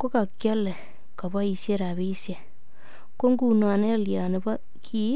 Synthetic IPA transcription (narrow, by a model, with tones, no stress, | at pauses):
ko˦ka˨kjɔ˦le˨ | ka˨βa˦i˨sje˦ɾa˨βi˦sje˨ | ko˦ŋɡu˨na˨ne˦˨lja˨ne˨βa˦ | kʰi˦